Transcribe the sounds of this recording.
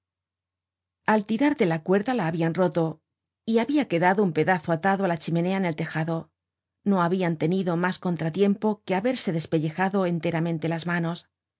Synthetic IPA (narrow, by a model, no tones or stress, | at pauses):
alt̪iɾaɾðe̞lakwe̞ɾðalaːβianro̞t̪o̞ | iaβiake̞ðaðoumpe̞ðaθo̞at̪aðoalat͡ʃime̞ne̞aene̞lt̪e̞xaðo̞ | no̞aβiant̪e̞niðo̞masko̞nt̪ɾat̪je̞mpo̞ke̞aβe̞ɾse̞ðe̞spe̞ʎe̞xaðo̞e̞nt̪e̞ɾamẽ̞nt̪e̞lazmano̞s